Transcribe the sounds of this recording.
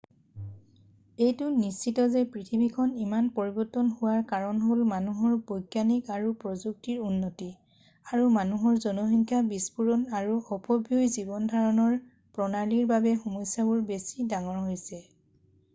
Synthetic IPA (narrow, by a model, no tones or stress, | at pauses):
ejtʊnist͡ʃitɔzɛpɹitʰibikʰɔnimanpoɹibɔtɔnhʊwaɹkaɹɔnɦolmanuɦɔɹbɔjɡjanikaɹupɹɔzuk̚tiɹunːɔti | aɹumanuɦɔɹzɔnɔɦiŋkʰjabispuɹɔnaɹuɔpɔbʱjujzibɔndʱaɹɔnɔɹ | pɹɔnaliɹbabɛxumɔjsabʊɹbesidaŋɔɹɦojsɛ